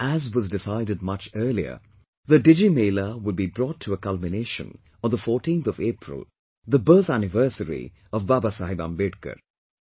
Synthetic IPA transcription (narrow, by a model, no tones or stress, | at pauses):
æzwʌzdɪsaɪdɨd̚mʌt͡ʃɜ˞liə̰ | ðəɖɪd͡ʒimeɪləwʊd̚bibɾɔːtʰəəkʌlˠmɪneɪʃə̰̃n | ə̃nðəfɔːʈĩːnθɔvepʰɹɪ̰lˠ | ðəbɜ˞t̪ænɪvɜ˞səɾḭ | ʌvbabasaɦibã̰mbeɖkə̰ɾ